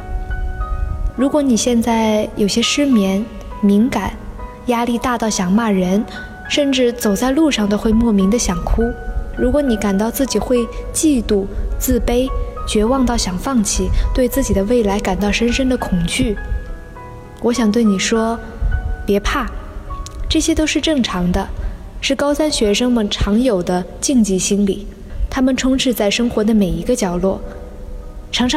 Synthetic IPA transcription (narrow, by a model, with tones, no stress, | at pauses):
ɻu˧˥kwɔ˧˥ni˨˩ɕjɛ˥˧nt͡sa˥˩ɪjo˨˩ʊɕjɛ˥ʂɻ̩˥mjɛ˧˥n | mi˧˥ŋka˨˩˦n | ja˥li˥˧t̪a˥˧t̪ɑ˥˩ʊɕjɑ˨˩ŋma˥˩ɻə˧˥n | ʂə˥˧nʈ͡ʂɻ̩˥˩t͡so˨˩ʊt͡sa˥˧ɪlu˥˧ʂɑ˥˩ŋd̪ə˩xwe˥˧ɪmwɔ˥˩mi˧˥ŋd̪ə˧ɕjɑ˨˩ŋkʰu˥ɻu˧˥kwɔ˧˥ni˧˥ka˨˩nt̪ɑ˥˧ʊt͡sɹ̩˥˩t͡ɕi˨˩xwe˥˧ɪt͡ɕi˥˧t̪u˥˩t͡sɹ̩˥˩pe˥ɪt͡ɕɥɛ˧˥wɑ˥˧ŋt̪ɑ˥˩ʊɕjɑ˨˩ŋfɑ˥˩ŋt͡ɕʰi˥˩t̪we˥˧ɪt͡sɹ̩˥˩t͡ɕi˨˩d̪ə˦we˥˩ɪla˧˥ɪka˨˩nt̪ɑ˥˩ʊʂə˥nʂə˥nd̪ə˨kʰʊ˨˩ŋt͡ɕy˥˩ | wɔ˧˥ɕjɑ˨˩ŋt̪we˥˩ɪni˨˩ʂwɔ˥ | pjɛ˧˥pʰa˥˩ | ʈ͡ʂɤ˥˩ɕjɛ˥t̪o˥ʊʂɻ̩˥˧ʈ͡ʂɤ˥˩ŋʈ͡ʂʰɑ˧˥ŋd̪ə˧ | ʂɻ̩˥˩kɑ˥ʊsa˥nɕɥɛ˧˥ʂɤ˥ŋmə˨nʈ͡ʂʰɑ˧˥ŋjo˨˩ʊd̪ə˦ | t͡ɕi˥˧ŋt͡ɕi˥˩ɕi˥nli˨˩˦ | t̪ʰa˥mə˨nʈ͡ʂʰʊ˥ŋʈ͡ʂʰɻ̩˥˧t͡sa˥˩ɪʂɤ˥ŋxwɔ˧˥d̪ə˧me˨˩ɪi˧˥ɡə˧t͡ɕjɑ˨˩ʊlwɔ˥˩ | ʈ͡ʂʰɑ˧˥ŋʈ͡ʂʰ